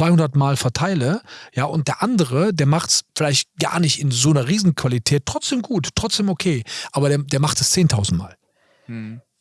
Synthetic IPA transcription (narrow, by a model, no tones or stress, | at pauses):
v̥aɪhʊndɐtmaːlfɛɐtʰaɪləjaːʔʊnt̚d̥eːɐʔandəʁ̞ədeːɐmaχtsfɪlaɪçtɡ̥a̰ːɐnɪçtɪnzoːnɐʁiːzn̩kv̥alitʰɛːt̚ːʁ̥ɔt͡sd̥eːmɡuːttːʁ̥ɔt͡sd̥eːmokʰeːʔaːbɐdeːɐdeːɐmaχtɛst͡seːntʰaʊzn̩tma̰ːl